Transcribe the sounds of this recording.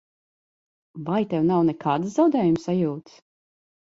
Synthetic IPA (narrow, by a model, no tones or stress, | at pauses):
vajt̪ɛwnawnɛkʰaːd̪sz̥awd̪ɛːjumsajuːt̪s